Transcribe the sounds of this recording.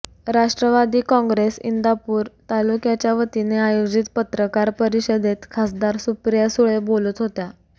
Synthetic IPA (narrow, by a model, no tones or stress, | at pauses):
ɾaʂʈɾəʋad̪iːkɔ̃ŋɡɾesḭnd̪apuːɾt̪alukjat͡ɕjaʋət̪ineajod͡ʑit̪pət̪ɾəkaɾpəɾiɕəd̪et̪kʰasd̪aɾsupɾijasuɭebolut̪ɦot̪ja